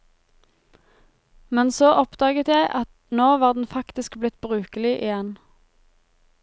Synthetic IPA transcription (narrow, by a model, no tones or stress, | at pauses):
mɛnsoːʔɔpd̪ɑːɡət̪jæɪʔɑt̪ | noːʋɑːʁd̪n̩fɑkt̪ɪskblɪt̪̚bʁʉːkəlɪʔɪjɛn